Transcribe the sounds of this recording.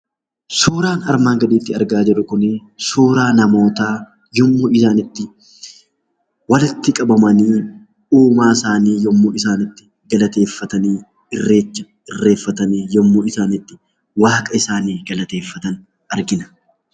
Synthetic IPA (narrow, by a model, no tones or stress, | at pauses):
suːɾaːnɐɾmaːŋɡɐd̪iːt̪ːɪɐɾɡaːd͡ʒɛᶑʊkʊnesuːɾaːnɐmo̞ːt̪aː | jɔmːoːɪsaːnɪt̪ːɪ | wɐlɪt̪ːɪkʼɐbɐmɐniː | uːmaːɪsaːniːjɔmːoːɪsaːnɪt̪ːɪ̥ | ɡɐlɐt̪e̞ːfːɐt̪ɐniː | ʔɪrːe̞ːt͡ʃːɐ̥ | ɪrːe̞ːfːɐt̪ɐniːjɔmːoːɪsaːnɪt̪ːɪ̥ | waːkʼɐɪsaːniːɡɐlɐt̪e̞ːfːɐt̪ɐn | ɐɾɡɪnɐ̥